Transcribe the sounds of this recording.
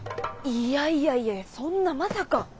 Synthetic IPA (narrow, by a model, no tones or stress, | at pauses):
ijaijaiajsõ̞nːamasaka